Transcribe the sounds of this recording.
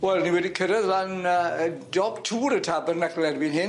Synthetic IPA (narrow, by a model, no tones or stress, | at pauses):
wɛlˠniwɛdikʰəɾəðlanədɔbtʰuːɾətʰabərnəɡlɛrviːnɦɪn